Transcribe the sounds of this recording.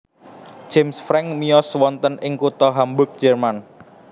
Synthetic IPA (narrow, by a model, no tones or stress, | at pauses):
d͡ʒ̥emsfɾɛŋmijɔswɔnt̪ənʔɪŋkut̪ɔɦambʊk̚d̥ʒ̥ɛrman